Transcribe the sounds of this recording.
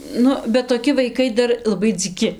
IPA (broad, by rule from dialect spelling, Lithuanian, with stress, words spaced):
ˈnʊ bʲɛt toːˈkʲɪ ʋɐɪˈkɐɪ ˈdɐr lˠɐˈbɐɪ d͡zʲiːˈkʲɪ